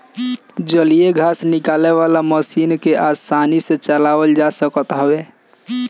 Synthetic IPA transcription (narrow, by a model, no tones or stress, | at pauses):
d͡ʒəlijeɡʱaːsnɪkaːleʋalaməsiːnkeʔasaːniset͡ʃəlaːwəld͡ʒasəkət̪ɦəwe